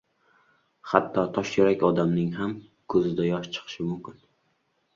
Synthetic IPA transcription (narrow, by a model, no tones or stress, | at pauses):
hat̪ʰːɒt̪ʰɒʃjeɾakʲɒd̪amnɪŋɦam | kʰɵzɪd̪ajɒʃt͡ʃʰɨ̥qʰɨ̥ʃɪmʊmkʲɪn